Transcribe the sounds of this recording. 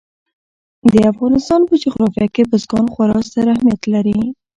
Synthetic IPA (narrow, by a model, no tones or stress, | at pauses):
d̪əafɣɑnɪst̪ɑnpəd͡ʒʊxɾɑfjakepəzɡɑnxwaɾɑst̪aɾahmijat̪laɾi